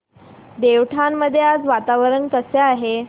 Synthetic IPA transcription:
d̪eʋʈʰanːəd̪ʱːjead͡zʋat̪aʋəɾəɳkəseaɦe

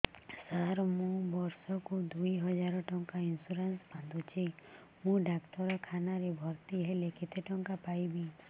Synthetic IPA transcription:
saɾmũbɔɾsɔkud̪ujɦɔd͡ʒaɾɔʈɔŋkainsuɾansband̪ut͡ʃʰi | mũɖakʈɔɾɔkʰanaɾebʱɔɾt̪iɦeleket̪ʰeʈɔŋkapajbi

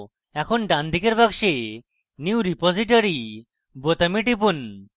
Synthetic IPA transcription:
ɛkʰonɖand̪ʱikeɾbaɡʃe | niuɾipɔziʈ̬oɾi | bot̪amiʈ̬ip̬un

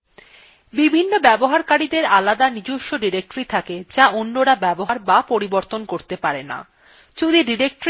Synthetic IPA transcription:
bibʱinːobɛboɦaɾkaɾid̪eɾalad̪anid͡ʑuʃːoɖiɾek̚ʈoɾit̪ʰaked͡ʑaʔonːoɾabɛboɦaɾbapoɾiboɾt̪onkoɾt̪epaɾena̰ | t͡ɕud̪iɖiɾek̚ʈɾ

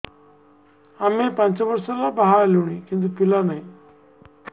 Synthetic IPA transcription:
amepãɲt͡ɕaʋəɾsalabaɦaluɽ̃ikĩnt̪̬upilanai

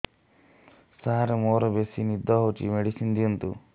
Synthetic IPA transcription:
saːɾɐmoːɾɐbesinid̪ːaːɦot͡ʃḭmeɽisind̪iunt̪ṵ

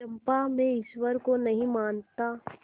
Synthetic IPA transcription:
ɐ̃mpamẽɪʃwəɾkonɐɦĩmaːnt̪aː

